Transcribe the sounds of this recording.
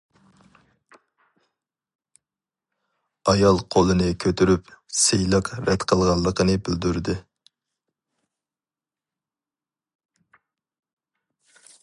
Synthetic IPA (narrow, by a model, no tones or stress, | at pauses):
ɑjɑlˠqʰolˠɨnɨkʲʰøt̪yɾypsejlˠəqɾɛt̪qʰəlˠʁɑlˠːəqʰənɨbɪld̪yɾd̪ɪ